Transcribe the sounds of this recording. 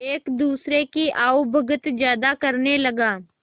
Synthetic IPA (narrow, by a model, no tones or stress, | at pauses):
eːkd̪uːsɾekiʔaːʊbʱɐɡət̪d͡ʒjaːd̪akɐɾnelɐɡaː